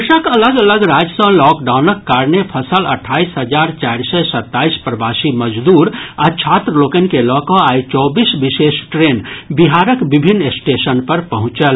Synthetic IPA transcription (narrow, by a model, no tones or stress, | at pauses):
ɾsakələɡələɡɾad͡ʒəsɔ̃lɔkɖaʊnəkːaɾnepʰəsələ̰ʈʰːaːisɦəd͡ʒaɾt͡ʃaɾsɛsət̪ːaispɾəbasiməd͡ʒd̪uːɾat͡ʃʰat̪ɾəlokənkelɔkɔait͡ʃɔbisbisesʈɾenbiɦaɾəkbibʱinːesʈesənpəɾpəɦʊ̃t͡ʃəl